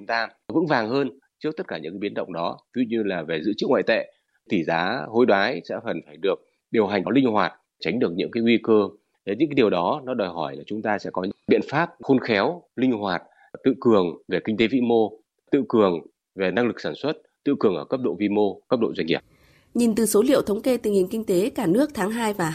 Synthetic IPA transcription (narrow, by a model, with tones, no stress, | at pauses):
t͡ɕʊ˨˦ŋ͡mt̪aː˧ | və̰ɨ̰˧˥ŋvaː˨˩ŋhəː˧n | t͡ɕɨ˦˥k̚t̪ə˦˥t̚kaː˧˩ɲɨ̰˧˥ŋkːaː˨˦ɓi˨˦ənɗə̰˧˨wŋ͡mɗɔ˨˦zu˧ɲɨ˧laː˨˩ve˨˩zɨ̰˧˥t͡ɕɨ̰˧˥ŋwa̰ː˧˨jt̪ḛ˧˨ | t̪ʰi˨˩zaː˨˦ho˧jɗwaː˨˦jsɛ̰˧˥fə˨˩nfaː˧˩jɗɨ˨˩ək̚ | ɗi˨˩əwɦa˨˩ŋ̟ɗɔ˨˦lï˧ŋ̟hwaː˨˩t̚ | t͡ɕa˨˦ŋ̟ɗɨ˨˩ək̚ɲɨ̰˧˥ŋkaː˨˦jŋwi˧kəː˧˨˦ | ɲɨ̰˧˥ŋkːa˨˦ɗi˨˩əwɗɔ˨˦nɔ˨˦ɗɔː˨˩jɦɔ˧˩jlaː˨˩t͡ɕʊ˨˦ŋ͡mt̪aː˧sɛ̰˧˥kɔ˨˦ɲɨ̰˧˥ɓḭ˧˨ənfaː˦˥p̚xo˧nxɛ˨˦wlï˧ŋ̟ɦwaː˨˩t̚ | t̪ɨ̰˧˨kɨ˨˩əŋve˨˩kï˧ŋ̟t̪e˨˦vḭ˧˥mo˧ | t̪ɨ̰˧˨kɨ˨˩əŋ | ve˨˩na˧ŋlɨ˨˩k̚saː˧˩nswə˦˥t̚t̪ɨ̰˧˨kɨ˨˩əŋʔəː˧˩kə˦˥p̚ɗo̰˧˨vi˧mo˧kə˦˥p̚ɗo̰˧˨zwa˧ŋŋi˧˩ə | ɲi˨˩nt̪ɨ˨˩so˨˦lḭ˧ə˨wt̪ʰə˨˦wŋ͡mke˧t̪i˨˩ŋhï˨˩ŋkï˧ŋ̟t̪e˨˦kaː˧˩nɨ˦˥ək̚t̪ʰaː˨˦ŋɦaː˧jvaː˨˩